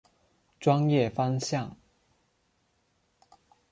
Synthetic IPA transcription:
ʈ͡ʂwɑ˥ŋjɛ˥˩fɑ˥ŋɕjɑ˥˩ŋ

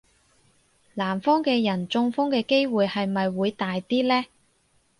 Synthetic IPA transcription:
laː˨˩mfɔː˥ŋkɛː˧jɐ˨˩nt͡sʊ˧ŋfʊ˥ŋkɛː˧ke˥jwuː˨˧jhɐ˨jmɐ˨jwuː˨˧jt̪aː˨jt̪iː˥lɛː˥

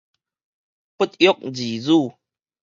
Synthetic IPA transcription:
pu˦˥t̪̚jo˦k̚d͡ʑi˨˩d͡zu˥˨

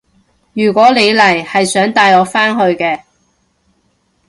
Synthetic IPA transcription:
jyː˨˩kʷɔː˨˥le˨˧jlɐ˨˩jhɐ˨jsœː˨˥ŋt̪aː˧jɔː˨˧faː˥nɦɵ˧ɥkɛː˧

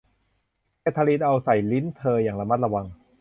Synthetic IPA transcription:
a˧˩t̪ʰa˧liː˧t̪̚ʔa˧wsa˨˩jli˦˥nt̪ʰɤː˧jaː˨˩ŋla˧ma˥˩la˧wa˧ŋ

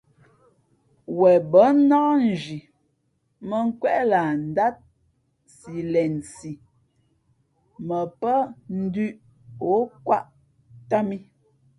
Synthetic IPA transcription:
wɛ˨bə˨˦naː˦n̩˨d͡ʒi˨ | mə˦ŋ̩˦kwɛ˦ʔla˨n̩˨da˦t̚ | si˨lɛ˨nsi˨ | mə˨pə˦n̩˦dʉ˦ʔ | o˨˦kwa˦ʔ | ta˦mi˦

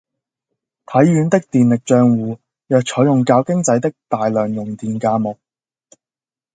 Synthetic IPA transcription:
t̪ʰɐ˨˥jːyː˨˧nt̪ɪ˥k̚t̪iː˨nlɪ˨k̚t͡ʃœː˨˧ŋwuː˨˧ | jœː˨k̚t͡ʃʰɔː˨˥jʊ˨˩ŋkaː˧wkɪ˥ŋt͡sɐ˨˥jt̪ɪ˥k̚t̪aː˨˩jlœː˨˩ŋjʊ˨ŋt̪iː˨nkaː˧mʊ˨k̚

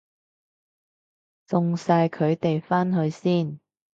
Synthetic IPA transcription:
t͡sʊ˨ŋsaː˧jkʰɵ˨˧ɥt̪e˨jfaː˥nɦɵ˧ɥsiː˥˩n

